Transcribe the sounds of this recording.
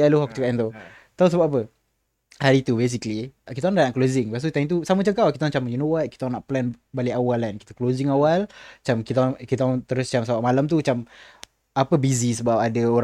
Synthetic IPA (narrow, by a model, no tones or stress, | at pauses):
aluɦak̚t͡ʃukaʔint̪o | t̪ausəbap̚apə | haɾit̪ubes̬ikəlikit̪aɔŋdahnaʔklozɪŋpast̪ut̪aimt̪usamət͡ʃəkawkit̪aŋt͡ʃamjunowat̪̚ki̥t̪aɔnaʔplɛn | baliawalankit̪aklozɪŋawalt͡ʃamkit̪akit̪aɔŋt̪əɾʊst͡ʃamsabaʔ̚malamt̪ut͡ʃam | apəbizisəbap̚adaoɾ